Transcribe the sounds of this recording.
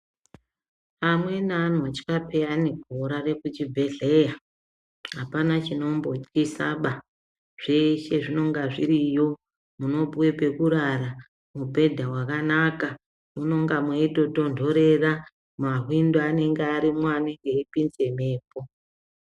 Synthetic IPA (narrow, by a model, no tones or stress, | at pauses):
pamwe̞nanwat͡ʃi̥kape̞ane̞ɡʱoɾare̞kut͡ʃibʱe̞ɮe̞ja | ɦapanat͡ʃino̞mbo̞t͡skisaɓa | ʐ̥e̞ʃe̞ʐino̞ŋɡaʐiɾijo̞ | muno̞bwe̞pe̞kuɾara | mubʱe̞dʱawakanaka | muno̞ŋɡamweito̞to̞ndʱo̞ɾe̞ra | maɦwindoane̞ŋɡeaɾimwaːneŋɡe̞ipinze̞me̞ːpo̞